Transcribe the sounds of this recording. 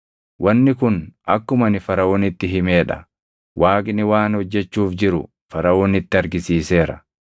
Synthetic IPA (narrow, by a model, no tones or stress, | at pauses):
wʔɐnːɪkʊnɐkːʊmɐnɪfɐɾɐwoːnɪt̪ːɪɦɪme̞ːᶑɐ̥̰ | wʔaːkʼnɪwaːnhɔd͡ʒːɛt͡ʃːuːfd͡ʒɪɾʊ̰ | fɐɾɐwoːnɪt̪ːɪɐɾɡɪsiːse̞ːɾɐ